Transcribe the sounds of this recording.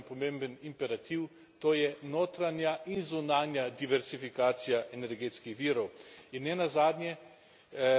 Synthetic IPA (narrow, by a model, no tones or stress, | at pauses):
pɔmẽmbənimpɛɾat̪iw | t̪oːjɛnoːt̪ɾanjaʔinzunaːnjad̪iʋɛɾsifikaːt̪sijaʔɛnɛɾɡeːt̪skixʋiːɾɔwinːɛnazaːd̪nʲjɛ